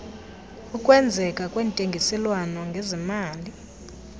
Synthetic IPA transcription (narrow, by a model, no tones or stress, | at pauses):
ukʼwɛnd͡zʱɛkʼakʼwɛːntʼeŋɡʱisɛlwanɔŋɡʱezimaːli